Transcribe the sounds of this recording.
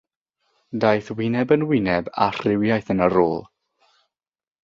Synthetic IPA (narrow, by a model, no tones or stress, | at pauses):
dajθwɪnɛbənwɪnɛba̰rrɪwjajθənəɾoːlˠ